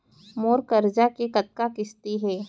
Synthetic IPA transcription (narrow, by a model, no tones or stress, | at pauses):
moːɾkɐɾd͡ʒakekɐt̪̚kakɪst̪iɦɛː